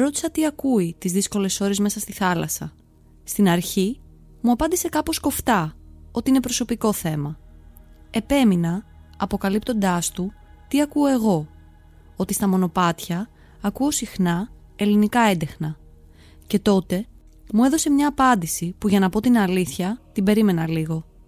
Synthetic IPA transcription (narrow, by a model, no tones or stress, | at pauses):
ɾo̞t̪i̥sɐt̪iɐkuit̪izðisko̞le̞so̞ɾe̞zme̞sɐst̪iθɐlɐsɐ | st̪inɐɾçi | muɐpɐnd̪ise̞kɐpo̞sko̞ft̪ɐo̞t̪iine̞pɾo̞so̞piko̞θe̞mɐ | e̞pe̞minɐɐpo̞kɐlipt̪o̞nd̪ɐst̪u | t̪iɐkuoe̞ɣo̞ | o̞t̪ist̪ɐmo̞no̞pɐt̪çɐː | kuo̞sixnɐ | e̞linikɐend̪e̞xnɐ | ce̞t̪o̞t̪e̞ | mue̞ðo̞se̞mɲɐːpɐnd̪isipuʝɐnɐpo̞t̪inɐliθçɐt̪ibe̞ɾime̞nɐliɣo̞